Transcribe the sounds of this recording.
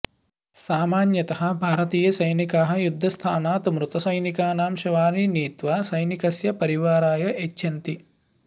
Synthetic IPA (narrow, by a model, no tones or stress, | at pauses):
saːmaːnjɐt̪ɐɦɐ̆bʱaːɾɐt̪iːjɐsɐjnikaːɦɐ̆jud̪ʱːɐst̪ʰaːnaːt̪umɾut̪ɐsɐjnikaːnaːmʃɐʋaːniniːt̪ʋɐsɐjnikɐsjɐpɐɾiʋaːɾaːjɐʔet͡ʃːʃʰɐnt̪i